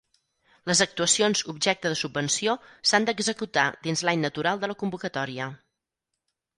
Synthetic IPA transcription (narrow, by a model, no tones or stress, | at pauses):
ləzək̚t̪uəsionzubʒɛk̚t̪əðəsubːənsiosand̪əɡzəkut̪ad̪inzlaɲnət̪uɾalˠd̪ələkumbukət̪ɔɾiə